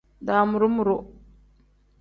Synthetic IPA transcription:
da˨mu˨ɾu˦mu˨ɾo˦

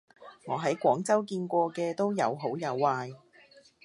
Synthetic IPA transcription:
ŋɔː˨˧ɦɐ˨˥jkʷɔː˨˥ŋt͡sɐ˥wkiː˧nkʷɔː˧kɛː˧t̪o˥wjɐ̰˨˧wɦo˨˥wjɐ˨˧wːaː˧j

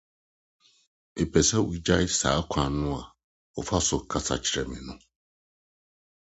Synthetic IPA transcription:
e˨pʰɛ˨sɛ˦wi˨d͡ʑa˦sa̰ː˨˦kʷʰã˨nʊ̃˦a˨ | ɔ˨fa˦sʊ˨kʰa˨sa̰˨t͡ɕʰɪ˨ɾɛ˨mĩ˨nʊ̃˦

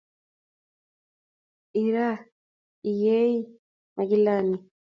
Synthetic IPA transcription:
i˨ɾa˦ | i˨jɛ˦i˦ | ma˨ɡi˦lani˨

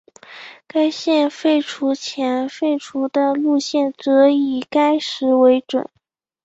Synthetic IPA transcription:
ka˥ɪɕjɛ˥˧nfe˥˩ɪʈ͡ʂʰu˧˥t͡ɕʰjɛ˧˥nfe˥˩ɪʈ͡ʂʰu˧˥d̪ə˧lu˥˧ɕjɛ˥˩nt͡sɤ˧˥i˨˩ka˥ɪʂɻ̩˧˥we˧˥ɪʈ͡ʂwə̰˨˩˦n

